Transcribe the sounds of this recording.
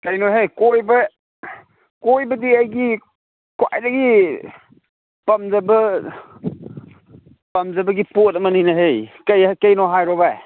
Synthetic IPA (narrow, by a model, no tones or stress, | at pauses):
kɐjnɔɦejkɔjbɐ | kɔjbɐdiajɡi | kwa̰jdaɡi | pɐmzabɐ | pɐmzɐbɐɡiputɐmɐnijnɐɦejkajkejnɔɦajɾɔbaj